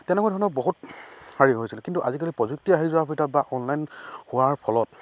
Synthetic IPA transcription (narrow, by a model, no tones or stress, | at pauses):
tɛnɛkɔadʱɔnɔɹboɦut̚haɹiɦojsilkintuʔazik̬alipɹɔzuk̚tiaɦizuapʰitat̚baʔɔnlajnhʊwaɹpʰɔlɔt̚